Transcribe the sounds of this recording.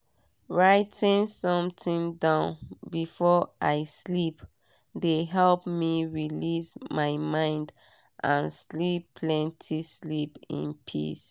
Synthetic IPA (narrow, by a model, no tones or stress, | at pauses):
ɹaɪtĩnsɔ̃mtĩndãʊ̃nbifɔaɪslip | deɦɛlpmiɹilismaɪmãɪ̃nd | ʔã̰nslipʰlɛ̃ntʰislipḭ̃npʰḭs